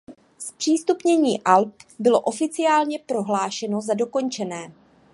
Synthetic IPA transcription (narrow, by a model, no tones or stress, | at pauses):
spr̝̥iːst̪upɲɛɲiːʔalp̚bɪlo̞ʔo̞fɪt͡sɪaːlɲɛpɾo̞ɦlaːʃɛno̞zado̞ko̞nt͡ʃɛnɛː